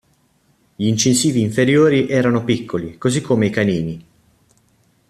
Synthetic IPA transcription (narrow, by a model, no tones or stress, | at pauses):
ʎiːnt͡ʃinsiːviːɱfeɾjoːɾiʔɛːɾanopikːolikozikʰːomeikaniːni